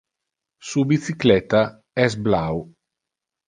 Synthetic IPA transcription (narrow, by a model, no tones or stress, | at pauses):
subit̪siklɛt̪a | ɛsblaw